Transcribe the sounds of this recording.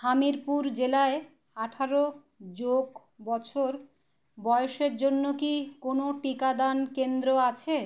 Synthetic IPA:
hamiɾpuɾd͡ʑelae | aʈʰaɾo | d͡ʑoɡ | bɔt͡ɕʰoɾ | bɔeoʃeɾd͡ʑonːokikonoʈikad̪ankend̪ɾoat͡ɕʰe

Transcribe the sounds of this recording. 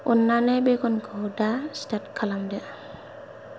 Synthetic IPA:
unːanɛbekɔnɡʰɔdastat̚kʰalamdɛ

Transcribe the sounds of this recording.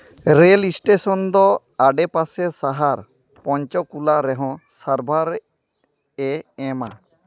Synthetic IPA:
ɾelisʈesɔnd̪ɔ | aɖɛpasɛsaɦaɾ | pɔɲt͡ʃɔkulaɾɛɦɔ̃saɾbʱaɾ | ɛɛma̰

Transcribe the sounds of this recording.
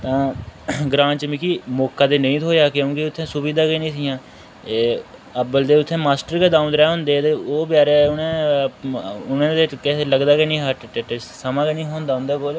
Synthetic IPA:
t̪ãːɡɾãːnt͡ʃəmikiːmoːkːaːd̪eːnəĩːt̪ʰoːjaːkeõːkɪʊt̪ʰːẽːsʊbiːd̪aːkenĩːsɪːjãː | eːəbəld̪eːʊt̪ʰːẽːmaːsʈəɾked̪aːʊ̃nd̪ɾɛːɦʊ̃nd̪eːt̪eːoːpjaːɾeːʊnẽː | ʊnẽːd̪eːkɛeːləɡd̪aːkenĩːɦəʈʈeʈesəmãːkenĩːɦoːnd̪aːʊ̃nd̪eːkoːl

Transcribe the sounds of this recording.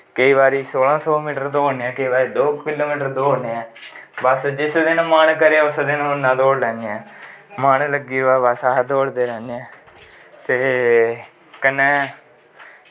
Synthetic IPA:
kəiːβaːɾiːsoːlãːsɔːmiːʈəɾd̪oːoneɛ̃ːkəiːbaːɾiːd̪oːkɪloːmiːʈəɾd̪oːɦoːneːɛːbəsd͡ʒɪsd̪ɪnãːmaːnkəɾeːʊsd̪ɪnõnãːd̪oːɽlɛːneɛ̃ːmaːnləɡiːoɛːbəsad̪oːɽd̪eːɾɛːneɛ̃ː | t̪eː | kənːɛː

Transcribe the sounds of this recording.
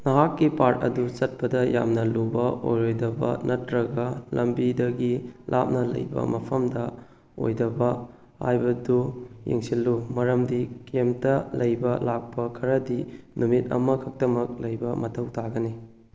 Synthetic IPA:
nɐɦakːipaɾtɐ̰dut͡ʃɐt̚pɐdɐja̰mnɐlubɐʔo̰jɾojdɐbɐ̰nʔɐtɾɐɡɐlɐmbidɐɡilʔa̰p̚nɐlɐ̰jbɐ̰mɐpʰɐmdɐ | o̰jdɐbɐ | ha̰jbɐdujḛŋsilːumɐɾɐmdikemtɐlɐjbɐlak̚pɐkʰɐɾɐdinumit̚ɐ̰mɐkʰɐk̚tɐmɐk̚lɐjbɐmɐtʰɐwtʰaɡɐni

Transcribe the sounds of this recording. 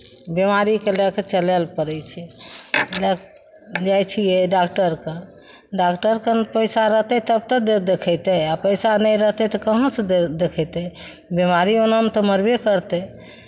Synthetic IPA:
bemaɾikeləkt͡ʃəlɛlpəɾɛt͡ʃʰɛ | lək | d͡ʒajt͡ʃʰijeɖakʈəɾkə | ɖakʈəɾkənpəjsaɾəɦt̪ɛt̪əb̚t̪ək̚d̪ed̪ekʰəjt̪ɛapəjsanəjɾəɦt̪ɛt̪ɔkəɦə̃sd̪ekʰəjt̪ɛ | bemaɾionəmt̪ɔməɾbekəɾt̪ɛ

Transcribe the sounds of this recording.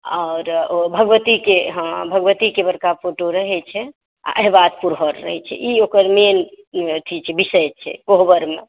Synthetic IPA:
aːɾobʱəɡʋət̪ikeɦbʱəɡʋət̪ikebəɾkapoʈoɾəɦɛt͡ʃʰɛ | a̰ʔəɦibad̪puɾɦəɾːə̰ɦɛt͡ʃʰɛ̰ʔiokəɾmen | t̪ʰit͡ʃʰɛbisəjt͡ʃʰɛ̰koɦbəɾme

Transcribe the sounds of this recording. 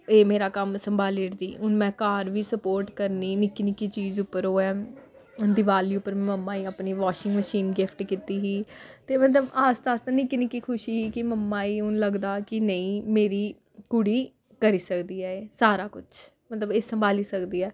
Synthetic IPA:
eːmeːɾaːkəmsəmbʱaːlɪɾd̪ḭːʊnmɛ̃ːkaːɾʋiːsəpoːɾʈkəɾniːnɪkːinɪkiːt͡ʃiːzʊpːəɾoːɛː | ʊnd̪ɪʋaːliːʊpːəɾmɛ̃məmːãːiːapniːʋaːʃɪŋɡməʃiːnɡɪpʰʈkit̪iːɦiːt̪eːmət̪ləbaːst̪aːst̪ãːnɪkːinɪkːiːkʰʊʃiːɦiːkɪməmːãːiːʊnləɡd̪aːkɪnəĩːmeːɾiː | kʊɽiː | kəɾiːsəkd̪iːɛːeːsaːɾaːkʊt͡ʃʰ | mət̪ləbeːsəmbʱaːliːsəkd̪iːɛː

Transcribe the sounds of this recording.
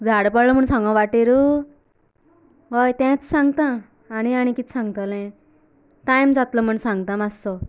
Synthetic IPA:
d͡zʱaɽpəɽləm̤əɳsãŋɡɔ̃ʋaʈeɾu | bajt̪ɛ̃t͡ssãŋɡt̪ãː | ɽ̃iaɽ̃ikit͡s̪sãŋɡt̪əlẽ | t̪ajmt͡sat̪lɔm̤əɳsãŋɡt̪ãmasɔ

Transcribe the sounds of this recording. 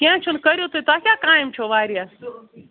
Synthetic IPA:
kiãːt͡ʃʰʊnkɐɾjot̪uet̪akjaːkaːɪmt͡ʃʰoːʋaːɾja

